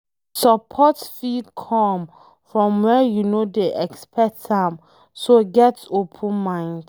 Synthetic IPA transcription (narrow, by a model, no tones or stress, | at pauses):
səpʰɔtfikʰɔ̃m | fɹɔ̃mwɛjunodeʔɛkspʰɛtãm | soɡɛtopʰə̃nmãɪ̃nd